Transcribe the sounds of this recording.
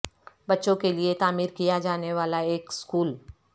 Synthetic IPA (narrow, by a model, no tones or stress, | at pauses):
bɐtːʃõkeliet̪aːmiːɾkijad͡ʒaːneʋaːlaeːkskuːl